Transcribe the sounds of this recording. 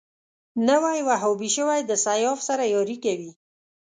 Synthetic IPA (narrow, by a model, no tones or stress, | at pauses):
nawajwaɦabiʃəwajd̪əsajɑfsaɾajɔɾikawi